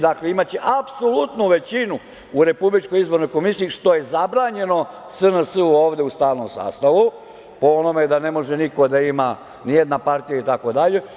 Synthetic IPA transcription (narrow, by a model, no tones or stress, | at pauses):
d̪akle̞imat͡ɕeʔapsolut̪nuʋe̞t͡ɕinu | uɾe̞publit͡ʃkojizbo̞ɾno̞jko̞misiiʃt̪o̞je̞zabɾaːɲe̞no̞ | sənasəuo̞ːʋd̪e̞ust̪aːʋno̞msa̰ːst̪aʋu | po̞onomed̪ane̞mo̞ʒe̞niko̞d̪aima | nije̞d̪napaɾt̪ijait̪ako̞d̪aʎe̞